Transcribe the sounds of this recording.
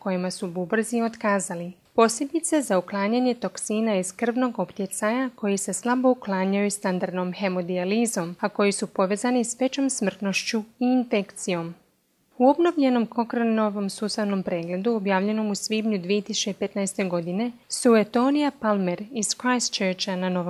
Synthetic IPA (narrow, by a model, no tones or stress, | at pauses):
ko̞jimasububr̩zio̞t̪kaːzali | po̞sje̞bit̪se̞zauklˠaːɲaɲe̞t̪o̞ksiːnaiz̥kr̩ʋno̞ɡo̞pt̪jet̪saɲako̞jise̞slˠabo̞uklˠaːɲajust̪and̪aɾd̪no̞mxe̞mo̞d̪ializo̞mako̞jisupo̞ʋe̞ːzanisʋe̞t͡ɕo̞msmr̩t̪no̞ʃt͡ɕuiːnfe̞kt̪sijo̞m | uo̞bno̞ʋʎe̞no̞mkʰo̞kɾonoʋo̞msuːst̪aʋno̞mpɾe̞ːɡle̞d̪uobjaːʋʎe̞no̞musʋiːbɲud̪ʋije̞t̪isu̥t͡ʃt͡ɕeipe̞t̪najst̪e̞ɡo̞d̪ine̞suet̪o̞nijapalme̞ɾiz̥kɾajst͡ʃeɾt͡ɕanano̞ʋo